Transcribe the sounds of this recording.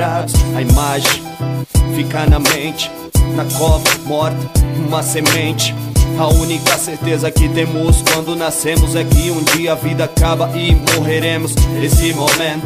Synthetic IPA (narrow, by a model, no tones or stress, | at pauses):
aʊɐimaʒẽj̃ | fikaɾnɐmẽnt͡ʃɪ̥ | nɐkɔbɐmɔɾt̪ɐũmɐsemẽnt͡ʃɪ̥ɐũnikɐseɾt̪ezɐkɪt̪ẽmʊskwɐ̃nd̪ʊnasẽmʊzɛkɪũd͡ʒiɐɐvid̪ɐakabɐʔɪmoɦeɾẽmʊsnesɪmomẽt̪ʊ